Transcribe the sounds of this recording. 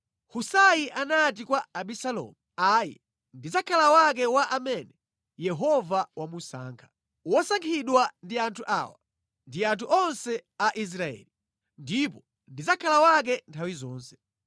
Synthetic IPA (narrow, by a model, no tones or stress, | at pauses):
husajiʔanat̬ikwaaɓisalɔ̰muaːjɛ | ndizakʰalawak̬ɛwaʔamɛnɛ | jɛɦɔvawamusa̰ːŋkʰḁ | wɔsaŋkʰiɗwandiantʰuʔa̰ːwa | ndiatuʔɔnsɛaʔis̬ɾaɛ̰li | ndipɔ | ndizakʰalawak̬ɛntʰawizɔːnsɛ̥